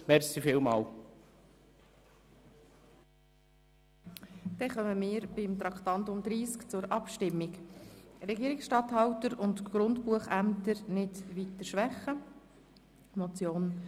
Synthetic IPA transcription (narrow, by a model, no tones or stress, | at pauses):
mɛɾsifɪlmɑːl | d̪̥ɛχœməmɪːɾbɪmt̪ɾɑkχt̪ɑntʊmd̪ɾiːskt͡sʊɾʔɑpʃtɪmːɪkɾɛɡiəɾɪksʃtɑtɦɑwtəɾʊndɡ̥ɾʊndpuəχæmt̪əɾnɪtʋit̪əɾʃʋæχə | mɔt͡sjoːn